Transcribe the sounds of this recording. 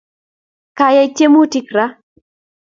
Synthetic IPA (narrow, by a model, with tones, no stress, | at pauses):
ka˨jɛ˦t͡ʃe˦mu˦ti˦kɾa˦